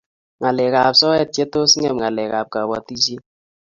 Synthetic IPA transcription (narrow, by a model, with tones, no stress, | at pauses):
ŋa˨lɛ˨ka˨psɔ˦jɛ˦˨t̚t͡ʃe˦to˦sŋɛ˨mŋa˨lɛ˨ka˨p̚ka˨wa̰˨ti˦t͡ʃi˦